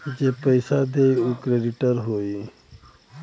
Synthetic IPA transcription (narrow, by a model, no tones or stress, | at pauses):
d͡ʒepəɪsad̪eːiukɾeːɖɪʈəɾɦoːi